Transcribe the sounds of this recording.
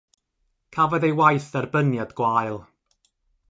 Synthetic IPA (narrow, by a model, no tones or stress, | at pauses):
kʰavɔðejwajθɛrbənjadɡ̥waːjlˠ